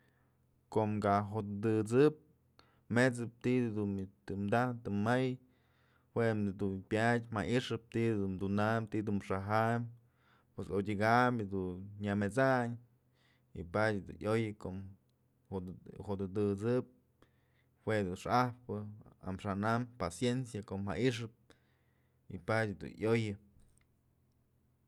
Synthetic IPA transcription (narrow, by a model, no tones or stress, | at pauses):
koʔmɡaɦod̪ɨd̪ɨt͡sɨp̚ | met͡sɨp̚t̪id̪unt̪ɨmd̪at̪ɨmaj | hwed̪unpʲadʲma̰ʔiʂɨp̚t̪id̪unmd̪unamt̪id̪uʂaɦam | pwesodʲiɡamd̪unɲamet͡saɲ | ḭpadʲd̪ṵnʔojɨkom | ohod̪ɨd̪ɨt͡sɨp̚ | hwed̪unʂahpɨa̰mʂanampasjensjakomha̰ʔiʂ̬ɨp̚ | ḭpadʲd̪ṵnʔojɨ